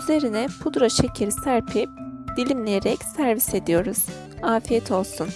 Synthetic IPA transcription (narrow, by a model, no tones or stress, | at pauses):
yze̞ɾinɛpʰud̪ɾaʃecʰiɾʲsæɾpʰip̚d̪̥ilʲimlʲejeɾɛcsæɾvise̞d̪ijo̞ɾuz̥ | aːfijɛt̪ʰo̞lˠsun